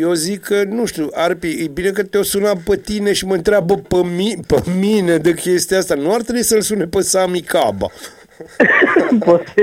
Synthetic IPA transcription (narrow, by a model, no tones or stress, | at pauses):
jozikʰːənuʃt̪ʲuʔarpiɨjbine̞kət̪eo̞sunapət̪ine̞ʃiməɨnt̪ɾeabəpəmipemined̪ekʲe̞st̪iaast̪anuart̪ɾebuisəlsune̞pəsamikaba̰ | pos